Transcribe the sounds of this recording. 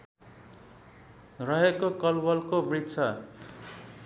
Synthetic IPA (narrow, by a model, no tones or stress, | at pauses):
rʌɦekokʌlbʌlkobrid̪t͡sʰʌ